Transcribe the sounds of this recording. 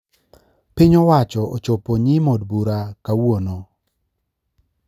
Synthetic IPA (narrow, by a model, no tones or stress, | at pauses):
piɲɔwat͡ʃɔot͡ʃɔpoɲimodbuɾakawono